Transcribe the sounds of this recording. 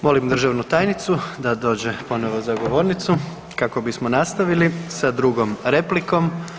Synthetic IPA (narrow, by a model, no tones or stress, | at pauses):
mo̞limd̪r̩ʒaʋnut̪aːjnit̪sud̪ad̪o̞ːd͡ʑepo̞noʋozaɡo̞ʋo̞ːɾnit̪su | kako̞bismo̞nast̪aʋilisad̪ɾuɡo̞mɾe̞pliko̞m